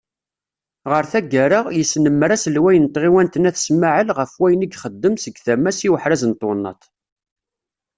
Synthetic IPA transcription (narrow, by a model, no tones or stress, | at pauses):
ʁəɾθæɡaɾəʁjəsːnəmːɾæsəlwæjənt̪ʁiwænt̪ənæθə̥smaʕəlʁəfwæjəniɡχəd̪ːəmsəɡθæmːæsiwəħɾæzənt̪ˤːonːɑ̰t̪ˤ